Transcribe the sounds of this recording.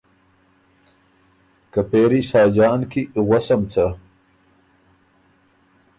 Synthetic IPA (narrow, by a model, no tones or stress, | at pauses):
kɐpeːɾisɑːd͡ʑɑːnkiɣwɐsɐmt͡sʰɐ